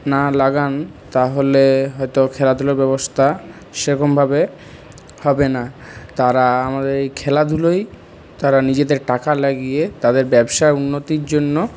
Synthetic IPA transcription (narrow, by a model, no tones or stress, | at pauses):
nalaɡan | t̪aɦoleɦɔjt̪okʰɛlad̪ʱuloɾbɛbost̪ʰa | ʃeɾɔkʰombʱabe | hɔbenat̪aɾaamad̪eɾejkʰɛlad̪ʱuloj | t̪aɾanid͡ʑed̪eɾʈakalaɡiet̪ad̪eɾbɛbʃaeunːot̪iɾd͡ʑonːo